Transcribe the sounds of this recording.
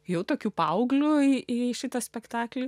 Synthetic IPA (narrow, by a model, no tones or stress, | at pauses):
jɛʊt̪oːkʲuːpɐʊɡlʲuiʔiʃʲɪt̪ɐsʲpʲɛkt̪ɑːklʲi